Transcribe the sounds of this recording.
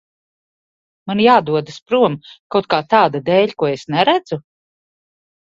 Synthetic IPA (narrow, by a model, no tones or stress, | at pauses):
manjaːd̪uɔd̪aspɾuɔmkawt̪̚kaːt̪aːd̪ad̪ɛːʎʲkuɔesnɛɾæd̪zu